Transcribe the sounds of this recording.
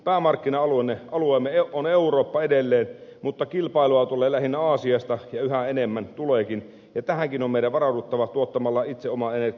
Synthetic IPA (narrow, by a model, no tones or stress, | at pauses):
pæːmɑrkːinɑɑluenːeɑlueːmːeeoneuroːpːɑedelːeːnmut̪ːɑkilpɑˑiluɑt̪ulˑeːlæhinːæɑːsiɑst̪ɑjɑyhæenemːænt̪uleːkin | jɑt̪æhæŋkinomeˑiɾæʋɑrɑudut̪ːɑʋɑt̪uot̪ːɑmɑlːɑit̪seomɑener